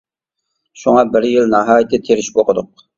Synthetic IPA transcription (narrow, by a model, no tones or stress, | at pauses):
ʃuŋɑbɪɾjɪlnɑɦɑːjɪt̪ːɪt̪ʰeɾɪʃboqʰəd̪ʊq̚